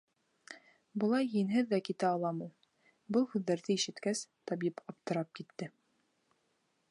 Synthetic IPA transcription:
bɤ̆lˠɑjinɦɘðːækit̪æɑlˠɑmu | bɤlˠhʉðːæɾðɘiʃɘ̆t̪kæst̪ɑbipɑp̚t̪ɤ̆ɾɑp̚kit̪ːɘ

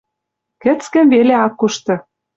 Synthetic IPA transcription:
kɘ̆t͡skɘ̆mveleɑkːuʃt̪ɤ̆

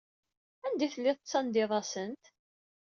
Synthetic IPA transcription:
ænd̪iθəlːɪðˤsɑnd̪ɪðˤɑsənt̪

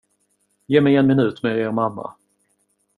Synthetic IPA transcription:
jeːmɛjɛnmɪnʉ̟ːt̪meːd̪eːɾmamːa̰

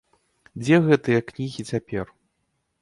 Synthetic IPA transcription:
d͡zʲɛɣɛt̪ɨjɐknʲiɣʲit͡sʲapʲɛr

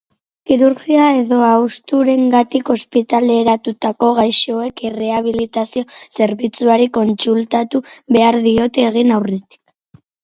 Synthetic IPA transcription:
kiɾuɾɣiae̞ðo̞aust̪uɾe̞ŋɡat̪iko̞spit̪ale̞ɾat̪ut̪ako̞ɣ̞ajʃo̞e̞kire̞aβ̞ilit̪asio̞se̞ɾβit͡suaɾiko̞nt͡sult̪at̪uβe̞aɾðio̞t̪e̞ːɣ̞inawret̪i̥k̚

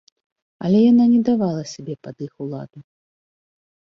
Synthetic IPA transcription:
ɐlʲɛjananʲɛd̪avalˠɐsʲabʲɛpad̪ɨxulˠa̰d̪u

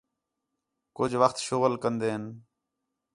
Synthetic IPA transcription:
kʊd͡ʒʱʋəxt̪ʃoːɣəlkənd̪eːɦən

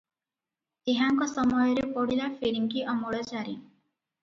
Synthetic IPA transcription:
eɦaŋkɔsɔmɔjɔɾepɔɽilafeɾiŋkiʔɔmɔɭɔt͡ʃaɾi

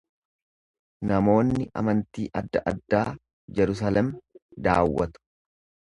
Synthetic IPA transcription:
nɐmo̞ːnːɪʔɐ̰mɐnt̪iːʔɐd̪ːɐʔɐd̪ːaː | d͡ʒɛɾʊs̬aːlɛmd̪a̰ːwːɐt̪ʊ̥

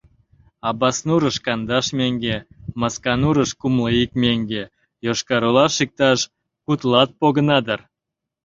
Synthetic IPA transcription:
ɑbɑsnuɾəʃkɑnd̪ɑʃmeŋɡemɑskɑnuɾəʃkumləikmeŋɡe | joʃkɑɾolɑʃik̚t̪ɑʃ | kut̪lɑt̪̚poɣənɑd̪ər

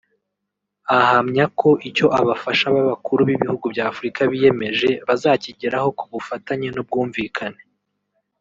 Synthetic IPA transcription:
ahamɲakʰo̞ʔico̞ʔaβafaʃaβaβakuɾuβiβihuɡubjaːfuɾikaβije̞me̞ʒe̞βazaciɟeɾaho̞kuβufataɲenub̚ɡuːɱviːkʰane̞

